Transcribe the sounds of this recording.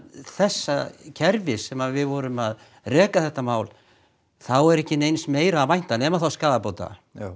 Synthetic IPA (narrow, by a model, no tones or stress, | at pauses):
θɛsːacʰɛɾvɪsɛmaðvɪðvɔɾʏmað | rɛːkaθɛht̪ːamaːwl | θawɛɾɛhcɪnejnsmeːjɾaːvajn̥t̪anɛmaθawskaːðapoːwt̪a̰